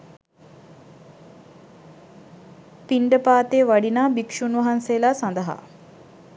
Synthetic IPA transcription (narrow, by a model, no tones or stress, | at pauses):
piɳɖəpaːt̪eːʋaɖinaːbikʂunʋɐɦansejlaːsand̪əɦa̰